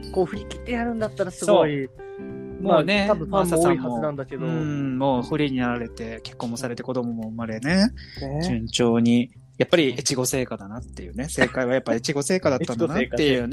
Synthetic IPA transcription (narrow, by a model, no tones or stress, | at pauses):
ko̞ːɸɯ̟ɾʲikʲi̥t̪ːe̞jaɾɯ̟̃nd̪at̪ːaɾasɨɡooːi | mone̞t̪abɯ̃fasasãihamnãnd̪aked̪oɯ̟̃mo̞ːɸɯ̟ɾʲiɲ̟inaɾaɾe̞t̪e̞ke̞̥kːõ̞mːosaɾe̞t̪e̞ko̞d̪o̞mo̞mo̞ɯ̟maɾe̞ne̞d͡ʑɨ̃ɲ̟t͡ɕo̞ːɲ̟i | japːaɾʲiet͡ɕiɡo̞se̞ːkad̪anat̪ːe̞jɯ̟ːne̞se̞ːkaiβajapːaiet͡ɕiɡo̞se̞ːkad̪attːannat̪ːejɯ̟ːne